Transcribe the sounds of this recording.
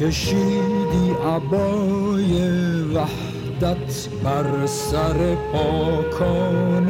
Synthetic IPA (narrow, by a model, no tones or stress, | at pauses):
eʃid̪iʔabɔjɛvah | d̪at̪ʰ | baɾsaɾɛbɔkʰɔn